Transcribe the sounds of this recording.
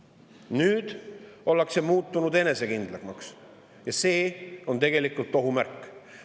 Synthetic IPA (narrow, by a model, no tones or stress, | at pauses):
nyːd̪̥o̞lːekse̞muːt̪ːˑunud̪e̞ne̞se̞kind̪̥lɑkmɑks | jɑse̞ːo̞nt̪̬e̞ɡ̥e̞likˑult̪ːˑo̞ɦumærkːˑ